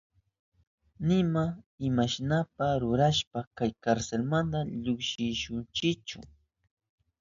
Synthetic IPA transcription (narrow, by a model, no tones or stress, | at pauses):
nɪmaɪmaʃnapaɾʊɾaʃpakajkaɾselmand̪aʎʊkʃɪʃʊnt͡ʃɪkt͡ʃʊ̰